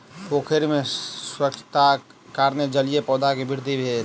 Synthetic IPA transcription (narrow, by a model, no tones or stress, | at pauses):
poːkʰeɾmẽswɾəkt͡ʃt̪a | kaːɾned͡ʒəlijepɔːd̪akebʱɪɾd̪ʱibʱe